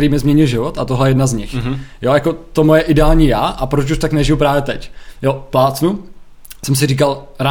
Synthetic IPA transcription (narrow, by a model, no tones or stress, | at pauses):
ɛɾiːmɪzmɲɛɲɪlʒɪvot̪at̪oɦlɛjɛjɛdnazɲɪxjojako̞t̪omojɛʔɪdɛaːlɲiːjaːʔapɾot͡ʃuʃt̪aknɛʒɪjupɾaːvjɛt̪ɛcjoplaːt͡snu | sɛmsɪriːkalɾa